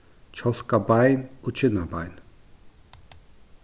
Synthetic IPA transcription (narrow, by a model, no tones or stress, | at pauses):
t͡ʃʰɔskabajnut͡ʃʰinaba̰jn